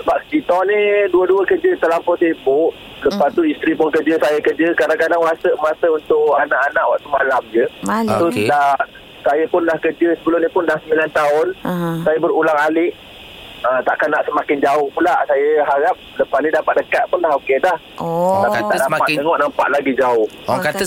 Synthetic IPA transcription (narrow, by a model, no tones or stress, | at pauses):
səbap̚sə̥kit̪ɔniduəduəkəd͡ʒət̪əlampɔt̪seəbʊʔ | ləpast̪uist̪ɾipʊnkəd͡ʒəsajakəd͡ʒəkadaŋkadaŋwasəʔmasəunt̪ʊʔanaʔanaʔwaʔt̪umalamd͡ʒəatʊsdah | sajapʊnlahkəd͡ʒəsəbəlʊmɲəpʊndaŋsəmbilant̪aʊnsajabəɾulaŋalɪʔ | ət̪aʔkanːaʔsəmakɪnd͡ʒaʊhpulaʔsajəɦaɾap̚ləpasnĩdapat̪̚dəkat̪̚pʊnlahokedah | lait̪adapaəŋɔʔnampa̰ʔlaɡid͡ʒaʊh | kat̪ə